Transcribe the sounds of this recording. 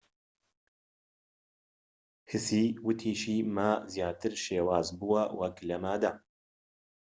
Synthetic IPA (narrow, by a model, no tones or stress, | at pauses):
hɨsiːwɨt̪ʰiːʃiːmazjaːt̪ɨɾʃeːwaːzbuwɐwʔɐklɐmad̪a